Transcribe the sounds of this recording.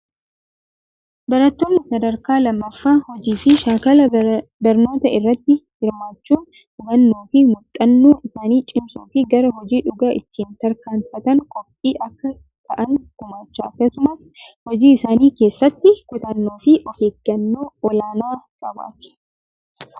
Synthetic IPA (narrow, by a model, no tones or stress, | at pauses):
bɐɾɐt̪ːoːnːɪsɐd̪ɐɾkaːlɐmːɐfːaːhɔd͡ʒiːfɪʃaːkɐlɐbɐɾno̞ːt̪ɐɪrːɐt̪ːɪhɪɾmaːt͡ʃːuːn | hʊɡ̪ɐnːoːfɪmʊt̪ʼːɐnːoːʔɪsaːniːt͡ʃʼɪmsṵːfɪɡɐɾɐɦɔd͡ʒiːᶑʊɡaːʔɪt̪ːiːnt̪ɐɾkaːnfɐt̪ɐŋkɔpʼːiːʔɐkːɐ | t̪ʰɐʔɐnk̪ʊmaːt͡ʃːaːɐkːɐsʊmɐshɔd͡ʒiːɪsaːniːke̞ːsːɐt̪ːɪkʊt̪ɐnːoːfɪʔɔfeːɡɐnːoːɔlaːnaːkʼɐba̰ːt̪ɪ̥